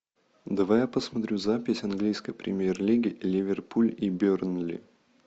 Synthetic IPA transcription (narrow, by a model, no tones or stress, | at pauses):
d̪ɐvajapəsmɐt̪ɾʲuzapʲɪsʲɐnɡlʲijskəjpɾʲɪ̰mʲjerlʲiɡʲɪlʲɪvʲɪrpʰulʲibʲornlʲḭ